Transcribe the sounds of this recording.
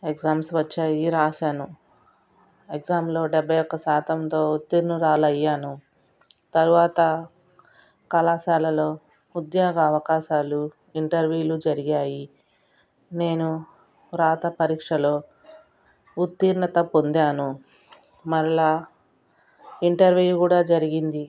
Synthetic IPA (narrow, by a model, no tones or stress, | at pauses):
eɡzaːmsʋɐt͡ʃːaːjiɾaːʃaːnu | eɡzaːmlo̞ːɖebʱːɐjɔkːɐsaːt̪ɐmt̪o̞ːut̪ːiːɾnuɾaːlɐjːaːnu | t̪ɐɾuʋaːt̪ɐ | kɐlaːʃaːlɐlo̞ː | ud̪jaːɡɐːʋɐkaːʃaːlu | iɳʈɐɾʋjuːlud͡ʒɐɾiɡaːji | ne̞ːnu | ɾaːt̪ɐpɐɾiːkʂɐlo̞ː | ut̪ːiːɾɳɐt̪ɐpond̪aːnu | mɐɾɐlaː | iɳʈɐɾʋjuːkuːɽaːd͡ʒɐɾiɡind̪i